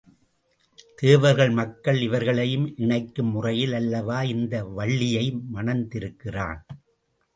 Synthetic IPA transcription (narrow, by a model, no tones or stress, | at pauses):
t̪eːʋɐɾɣɐɭmɐkːɐɭɪʋɐɾɣɐɭɐjɯmʔɪɳɐɪkːɯmːʊrɐjɪlɐlːɐʋaːɪnd̪ɐʋɐɭːɪjɐɪmɐnɐnd̪ɪɾɯkːɪra̰ːn